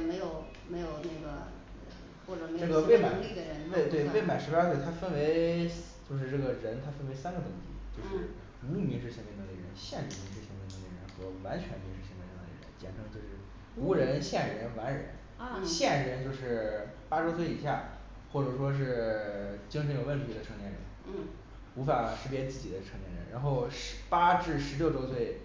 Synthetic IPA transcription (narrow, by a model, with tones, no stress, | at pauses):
me˧˥ɪjo˨˩ʊ | me˧˥ɪjo˨˩ʊne˥˩ɡə˩ | xwɔ˥˩ʈ͡ʂɤ˨˩me˥jʈ͡ʂɤ˥˩ɡə˨˧pe˥˩ɪma˨˩˧li˥˩d̪ə˩ɻə˧˥n˥˩ɪt̪we˥˩ɪ˧pe˥˩ɪma˨˩ɪʂɻ̩˧˥pa˥t̪we˥˩t̪ʰa˥fə˥nwe˧˥ɪt͡ɕjo˥˧ʊʂ̬ɻ̩˥˧ʈ͡ʂɤ˥˩ɡə˩ɻə˧˥nt̪ʰa˥fə˥nwe˧˥ɪsa˥nɡə˨˧t̪ʊ˧˥˩ŋt̪ʰḭ˧˥t͡ɕjo˥˧ʊʂɻ̩˥˩ | u˧˥u˥˩mi˧˥ŋʂɻ̩˥ɕjɛ˧˥n˧˩˧li˧˩ɻə̰˧˥nɕjɛ˥˩nɻ̩˧˩mi˧˥ŋʂɻ̩˥ɕjɛ˧˥n˧˩nə˧˥lḭ˧˩ɻə̰˧˥nxɤ˧˥wa˧˥nt͡ɕʰɥɛ˧˥nmi˧˥ŋʂɻ̩˥˩ɕjɛ˧˥n˧˩˧d̪ḭ˧˩ɻə̰˧˥nt͡ɕjɛ̰˨˩nʈ͡ʂʰɤ˧˥ŋt͡ɕjo˥˧ʊʂɻ̩˥˩ | u˧˥ɻə˧˥nɕjɛ˥˩nɻə˧˥nwa˧˥nɻə̰˧˥n | ɕjɛ˥˩nɻə˧˥nt͡ɕjo˥˧ʊʂɻ̩˥˩ | pa˥ʈ͡ʂo˥ʊswe˥˩ɪi˨˩ɕja˥˩ | xwɔ˥˩ʈ͡ʂɤ˨˩ʂ̬wɔ˥ʂ̬ɻ̩˥˩ | t͡ɕi˥ŋʂʰə˧˥njo˨˩ʊə˥˩nt̪ʰi˧˥d̪ə˧ʈ͡ʂʰɤ˥˧ŋt̪jɛ˥˩nɻə̰˧˥n˥˩ | u˧˥fa˨˩ʂɻ̩˧˥pjɛ˥t͡sɹ̩˥˩t͡ɕi˨˩d̪ə˦ʈ͡ʂʰŋt̪jɛ˥˩ɻə̰˧˥nɻʔa̰˧˥nxo˥˩ʊʂpa˥ʈ͡ʂɻ̩˥˩ʂɻ̩˧˥ljo˥˧ʊʈ͡ʂo˥ʊswe˥˩ɪ